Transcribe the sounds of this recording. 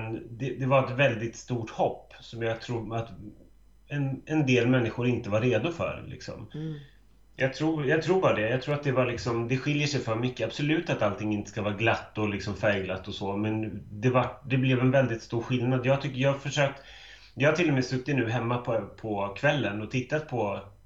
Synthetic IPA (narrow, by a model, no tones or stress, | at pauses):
ɛnd̪ɛd̪ɛvaɾɛt̪vɛld̪ɪt̪st̪uːʈhɔpːsɔmjɑːt̪ʰɾuːat̪ | ɛnɛnd̪eːlmɛnːɪɧʊɾɪnt̪əvaɾeːd̪ʊfœ̰ɾlʔɪ̰ksɔ̰m | jɑːɡt̪ʰɾuːjɑːɡt̪ʰɾuːɾbɑːɾad̪ɛjɑːt̪ʰɾuːɾat̪̚d̪ɛvaɭɪksɔmd̪ɛɧɪljəʂɛjfœːɾmʏkːəab̥sɔlʉ̟ːt̪at̪alt̪ʰɪŋːɪnt̪əskavɑːɾaɡlat̪ːɔlɪksɔmfɛːɡlat̪ːɔsɔmɛnd̪ɛvaʈd̪ɛblɛvɛnvɛld̪ɪt̪st̪uːɾɧɪlnad̪jɑːht̪ʰʏkːjɑːafœʂøːk̚t̪ | jɑːhaʈʰɪlːɔmɛsɵkːɪt̪nʉ̟ːɦɛmːapʰɔpʰɔkʰvɛlːənɔt̪ʰɪt̪ːat̪̚pʰɔ